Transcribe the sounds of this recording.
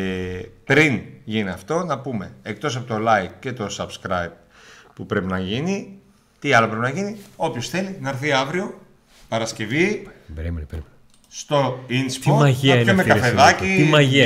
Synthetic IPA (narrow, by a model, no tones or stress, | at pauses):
pɾinʝiniɐft̪o̞nɐpume̞ek̚t̪o̞s̬ɐpot̪o̞lɐjkce̞t̪o̞sɐbskɾɐjp̚ | pupɾe̞pinɐʝini | t̪iɐlo̞pɾe̞pinɐʝinio̞pço̞sθe̞linɐɾθiɐvɾio̞ | pɐɾɐsce̞viim | st̪o̞inspoɐʝɐmekkɐfeðɐciimɐʝi